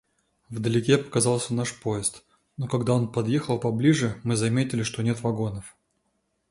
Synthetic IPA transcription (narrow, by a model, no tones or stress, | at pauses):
vd̪əlʲɪkʲepə̥kɐzɑlˠsʲənaʂpoɪst̪ | nokɐɡd̪aonpɐd̪jexəlˠpɐblʲiʐɨmɨzɐmʲetʲɪlʲɪʂt̪o̞nʲet̪vɐɡo̞nəf